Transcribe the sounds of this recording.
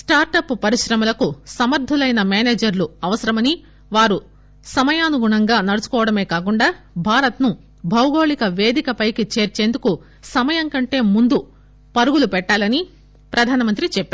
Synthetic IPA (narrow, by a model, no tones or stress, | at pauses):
sʈaːɾʈɐppɐɾiʃɾɐmɐlɐkusɐmɐɾd̪ʱɐlɐjnɐmeːneːd͡ʒɐɾluɐʋɐsɐɾɐmɐni | ʋaːɾu | sɐmɐjaːnuɡuɳɐŋɡaːnɐɽut͡ʃu̥kɔːʋɐɽɐme̞ːkaːk̬uɳɖaː | bʱaːɾɐt̪nu | bʱɐwɡo̞ːɭikɐʋe̞ːd̪ikɐpɐjkit͡ʃe̞ːɾt͡ʃe̞ːnd̪uku | sɐmɐjɐŋkɐɳʈe̞ːmund̪u | pɐɾuɡulupɛʈːaːlɐni | pɾɐd̪ʱaːnɐmɐnt̪ɾit͡ʃɛpːaː